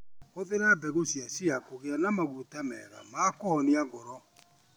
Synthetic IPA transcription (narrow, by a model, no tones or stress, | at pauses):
oðeɾabɛɣosiasiakoɣeanamaɣutamɛ̰ɾa̰makɔɔniaɡɔɾɔ